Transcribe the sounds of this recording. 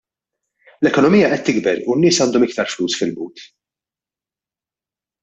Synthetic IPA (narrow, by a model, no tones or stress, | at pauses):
lɛkɔnɔmiːjːɐʔɛt̪ːɪɡbɛɾunːɪːsɐːnd̪ɔmɪk̚t̪ɐɾfluːsfɪlbṵːt̪